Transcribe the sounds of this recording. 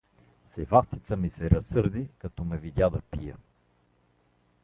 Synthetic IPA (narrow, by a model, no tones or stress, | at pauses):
sɛvast̪it̪səmisɛɾɐsɤɾd̪ikɐt̪ɔmɛvid̪ʲad̪ɐpijə̰